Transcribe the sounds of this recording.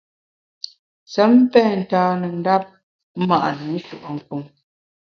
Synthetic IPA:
sə˨˦m˦pɛ˦˨n̩˨taː˨˦nə˨n̩˦da˦p̩̚˦ | ma˨ʔnə˨˦n̩˦ʃu˨ʔɔ˨ŋ̩˨ku˨ŋ

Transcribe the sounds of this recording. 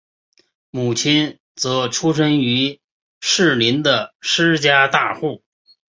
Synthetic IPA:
mu˨˩t͡ɕʰi˥n | t͡sɤ˧˥ʈ͡ʂʰu˥ʂ̬ə˥ŋy˧˥ | ʂɻ̩˥˩li˧˥nd̪ə˧ʂɻ̩˥t͡ɕja˥t̪a˥˧xu˥˩

